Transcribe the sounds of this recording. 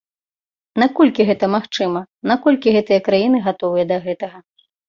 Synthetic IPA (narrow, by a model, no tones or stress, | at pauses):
nakɔlʲkʲiɣɛt̪ɐmaxt͡ʂɨmɐ | nakɔlʲkʲiɣɛt̪ɨjɐkɾajinɨɣat̪ɔvɨjɐd̪ɐɣɛt̪ɐɣɐ